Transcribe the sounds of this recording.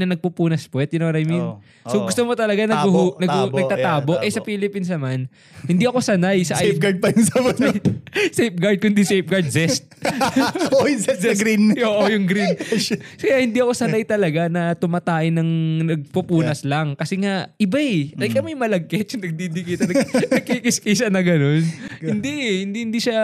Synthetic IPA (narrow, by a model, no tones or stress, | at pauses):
nɐnɐɡ̚pupuːnɐspwɛt̪̚jɪnoŋɾɐjmin | soɡʊst̪omot̪ɐlɐɡanɐɡnɐɡnɐɡt̪at̪aːboʔʔɛsɐpiːlɪpinsnɐman | hɪnd̪iʔɐko̞sɐnajsɐʔp̚ɡɐɹd̪̚pɐjʊŋsɐmɐ | sejp̚ɡɐɹd̪̚kʊnd̪isejp̚ɡɐɹd̪zɛst̪̚ | ɛsɡɾinoːʔojʊŋɡɾinkɐjahɪnd̪iʔɐko̞sɐnajt̪ɐlɐɡanɐt̪ʊmɐt̪aːʔɪnɐŋnɐɡ̚pupuːnɐslɐŋkɐsɛŋaʔɪbaʔɐjkɐmɐjmɐlɐɡ̚kɛtʊŋnɐɡ̚d̪id̪ikiːt̪ɐnɐɐɡ̚kikɪskɐjʃanɐɡɐno̞nhɪnd̪ihɪnd̪ihɪnd̪iʃa